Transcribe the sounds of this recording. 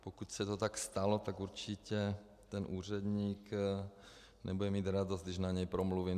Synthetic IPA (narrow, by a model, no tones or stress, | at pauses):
pokuc̪sɛt̪ot̪akst̪alot̪aɡuɾt͡ʃicɛ | t̪ɛnʔuːr̝ɛd̪ɲiːk | nɛbudɛmiːd̪ɾad̪ozd̪ɪʒnaɲɛjpɾɔmluʋiːm